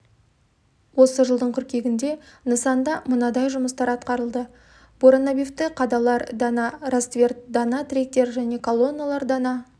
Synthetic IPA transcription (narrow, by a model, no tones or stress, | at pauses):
wo̞səʒəlˠd̪əɴkʰʲʏɾkʲe̞ɡʲɪnd̪e̞nəsɑnd̪ɑmʊnɑd̪ɑjʒʊməst̪ɑɾɑt̪̚qɑɾəlˠd̪ə | b̥oɾonobift̪ɪqʰɑd̪ɑlˠɑɾd̪ɑnɑrast̪vʲe̞rt̪̚d̪ɑnɑt̪rʲek̚t̪e̞ɾʒæne̞kʰo̞lˠo̞nːalˠɑɾd̪ɑnɑ